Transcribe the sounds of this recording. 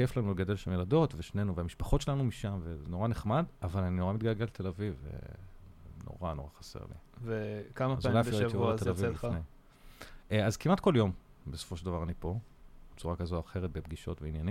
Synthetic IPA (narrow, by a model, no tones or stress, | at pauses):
keflanuleɡade̞lʃamjelado̞tveʃne̞nuveamiʃpḁχo̞tt͡ʃelanumiʃamvezeno̞ʁane̞χmadavalaninoʁamit̪̚ɡalɡelet̪elavivḛ | no̰ʁano̞ʁaχḁsḛʁlḭvekamazalajaiiavatelavine | eazkimat̪̚ko̞ljo̞m | beso̥fo̞ʃeld̪avaʁanipo̞ | b̥et͡suʁakazoaχe̞ʁet̪̚bebɡiʃo̞̰tveinjanim